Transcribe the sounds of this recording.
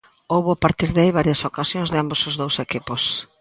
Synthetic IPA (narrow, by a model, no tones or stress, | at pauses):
owβʊapaɾt̪iɾðeajβaɾjɐsokasjõnzðɪambosozðowsekipos